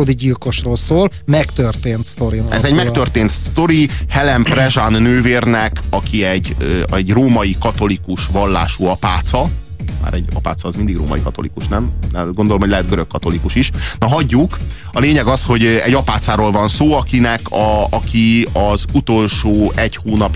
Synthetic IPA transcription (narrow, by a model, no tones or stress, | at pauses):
od̪iɟilko̞ʃroːlsoːl | mɛkt̪ørt̪eːnt̪st̪oɾinʔɛ̰zɛɟmɛk̪ørt̪eːnt̪st̪o̞ɾihɛlɛmprɛʒanːøːveːrnɛkɒkʰiɛɟøɛɟroːmɒjikɒt̪o̞likuʃʋɒlːa̰ːʃuɒpaːt̪sɒ | ma̰ːɾɛ̰ɟɒpa̰ːt̪sɒːzmind̪iɡro̰ːmɒ̰jikɒt̪o̞lḭkuʃnɛmɛɡo̞nd̪olomhoɟlɛɦɛt̪̚ɡøɾøkːɒt̪o̞likuʃiʃnɒɦɒɟːuk | ɒleːɲɛɡɒsho̞ɟɛ̰ɟɒpaːt̪saːɾoːlvɒnsoːɒkinɛkʰɒɒkiɒzut̪o̞lʃoːɛɟhoːnɒp